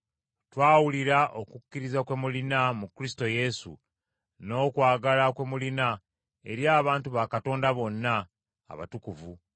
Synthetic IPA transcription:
twaːwuliɾaʔo̞kukːiɾizakwe̞mulinamukuɾisto̞je̞sṵ | no̞ːkwaːɡalakwe̞mulina | e̞ɾjaːβaːntuβakato̞ːndaβo̞nːa̰ː | βa̰tukuvu

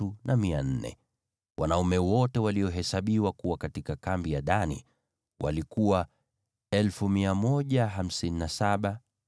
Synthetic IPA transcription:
unamian̩nɛ̰ | wanaumɛwɔtɛwaliɔɦɛsaɓiwakuwakatikakambijaɗanḭ | wʔa̰likuwa | ɛlfumiamɔʄaɦam̩sininasaɓa

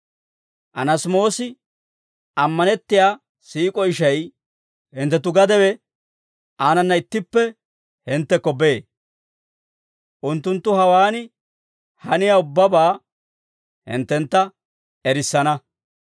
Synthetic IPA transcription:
ʔɐnɐsmo̞ːsɪ | ɐmːɐnɛt̪ːɪjaː | siːkʼɔɪʃɐj | hɪnt̪ːɛt̪̬ʊɡɐd̪ɛwɛ | ʔaːnɐnːɐɪt̪ːɪpːɛ | hɪnt̪ːɛkːɔbeː | ʔʊnt̪ːʊnt̪ːʊhɐwaːnɪ | hɐnɪjaʊbːɐbaː | hɪ̰nt̪ːɛnt̪ːɐ | ɛɾɪsːɐnɐ

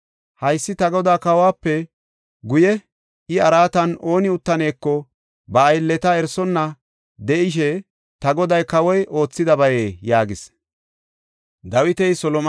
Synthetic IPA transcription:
hɐjsːɪt̪ɐɡɔd̪aːkɐwaːpːɛ | ɡʊjɛ | ʔɪɐɾaːt̪ɐno̞ːnɪʊt̪ːɐne̞ːkːɔ | bɐːjlːɛt̪ɐɛɾsɔnːɐ | d̪ɛʔɪʃ̬ɛ | t̪ɐɡɔd̪ɐjkɐwɔjʔo̞ːt͡sːɪd̪ɐbɐjeːjaːɡɪs | d̪ɐwɪt̪ɛjsɔlɔm

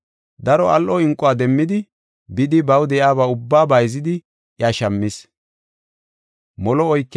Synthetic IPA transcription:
d̪ɐɾɔɐlʔɔɪŋkʼːɔaːd̪ɛmːɪd̪ɪ | bɪd̪ɪbɐwd̪ɛjaːbaʊbːaːbɐjzɪd̪ɪ | ʔjɐʃɐmːɪs | mɔlɔɔjkː

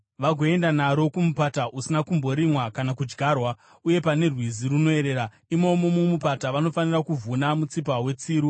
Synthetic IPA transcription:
ʋaɡʱo̞e̞ndanaɾo̞kumupataʔusinakumbo̞ɾimwakanakud͡ʒɡʱarwa | uje̞pane̞rwiziruno̞e̞ɾe̞ːɾa | imo̞momomupataʋano̞fanirakuvunamut͡sip̬awe̞t͡siːɾu

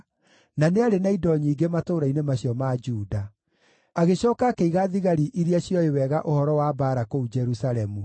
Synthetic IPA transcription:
naneaɾenaidɔɲiːɡematoːɾainemaɕjɔmad͡ʒuːda | aɣeɕɔːkakeiɣaðiɣaɾiʔiɾiaɕjɔewɛːɣaʔohɔɾɔwabaːɾakoud͡ʒɛɾusalɛmu

